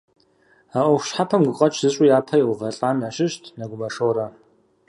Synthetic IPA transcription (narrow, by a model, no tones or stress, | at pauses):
aːʔʷɔxʷɕħapʰɐmɡʷʊqʼɐt͡ʃʰʼz̥ɨɕʼʊjaːpʰɐjwʷʊvɐɬʼaːnaɕɪɕtʰnɐɡʷʊmɐʂoːɾɐ